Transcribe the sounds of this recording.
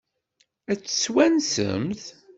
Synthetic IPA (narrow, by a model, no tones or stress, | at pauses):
æt͡sːswænsə̰mθ